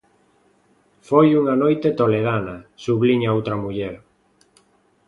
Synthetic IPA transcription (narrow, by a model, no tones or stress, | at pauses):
fojuŋanojt̪et̪oleðanɐsuβliɲaowt̪ɾɐmuʎɛɾ